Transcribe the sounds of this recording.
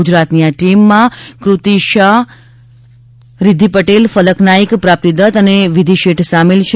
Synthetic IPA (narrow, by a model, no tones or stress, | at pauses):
ud͡ʒɾat̪niaʈimːãkɾut̪iʃaɦ | ɾɪd̪ʱipəʈelfələknaikpɾap̚t̪id̪ət̪əneʋid̪ʱiʃeʈsamelt͡ʃʰ